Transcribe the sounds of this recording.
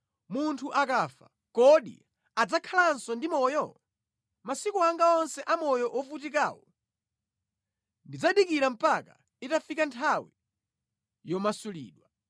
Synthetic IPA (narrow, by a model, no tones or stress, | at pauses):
muntʰuʔakafa̰ | kɔɗḭ | ad͡zakʰalansɔndimɔjɔ | masikuaŋɡaɔnsɛʔamɔjɔʔɔfutika̰ːwɔ | ndid͡zaɗikiɾam̩paka | itafikantʰawi | jɔmasulḭːɗwa